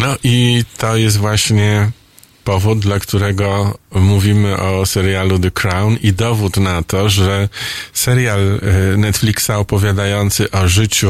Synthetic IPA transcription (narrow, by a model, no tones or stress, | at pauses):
nɔʔit̪ɔjɛs̬t̪vwaɕɲɛ | pɔvud̪̚d̪lakt̪uɾɛɡɔmuvʲimɘʔɔsɛɾjalud̪ɛkɾawnid̪ɔvut̪nat̪ɔʐɛsɛɾjalnɛt̪flʲiksaɔpɔvʲjad̪ajɔnt̪sɘʔɔʐɘt͡ɕu